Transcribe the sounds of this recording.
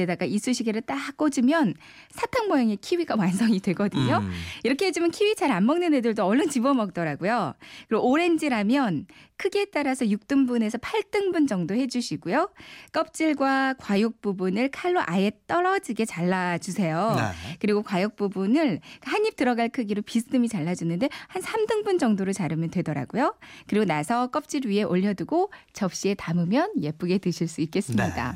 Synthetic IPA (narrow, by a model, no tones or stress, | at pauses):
edaɡais͈uɕʰiɡeɾɯɭt͈ak͈od͡ʑimjʌn | sʰatʰaŋmʌjʌŋe̞kʰiwiɡawansʰʌŋidwe̞ɡʌdɯɲoiɾʌkʰeɦed͡ʑimjʌnkʰiwit͡ɕaɾanmʌŋnɯne̞dɯɭdoʌɭːʌnt͡ɕibʌmʌk̚t͈ʌɾaɡujokɯɾɡooɾe̞nd͡ʑiɾamjʌnkʰɯɡe̞t͈aɾasʰʌjuk̚t͈ɯmbune̞sʰʌpʰaɭt͈ɯŋbund͡ʑʌŋdohe̞d͡ʑuɕʰiɡujok͈ʌp̚t͡ɕ͈iɭɡwakwajok̚p͈ubunɯɭkʰaɭːoʔaje̞t͈ʌɾʌd͡ʑiɡe̞t͡ɕaɭːad͡ʑusʰe̞jokɯɾiɡokwajok̚p͈ubunɯɭk͈ahaɲːip̚tɯɾʌɡaɭkʰɯɡiɾopisʰɯ̥tʰɯmit͡ɕaɭːad͡ʑunɯnde̞hansʰamdɯŋbund͡ʑʌŋdoɾɯɭt͡ɕaɾɯmjʌntwe̞dʌɾa̰ɡojokɯɾiɡonasʰʌk͈ʌp̚t͡ɕ͈iɭɥie̞ʔoʎːʌduɡot͡ɕʌp̚ɕ͈ie̞tamɯmjʌnje̞p͈ɯɡe̞tɯɕʰiɭs͈uik͈e̞s͈ɯmɲida̰